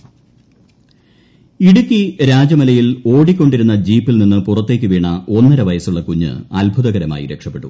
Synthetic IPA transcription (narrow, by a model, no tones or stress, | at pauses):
iɽukʲːiɾaːd͡ʑɐmɐlɐjiloːɽikʲːo̞ɳɖiɾunːɐd͡ʑiːpːilninːɨpurɐt̪ːe̞ːk̬ʲːɨʋiːɳɐo̞nːɐɾɐʋɐjɐsuɭːɐkuɲːɨ̰ɐlbʱuðɐɣɐɾɐma̰ːjḭɾe̞kʂɐpːe̞ʈːu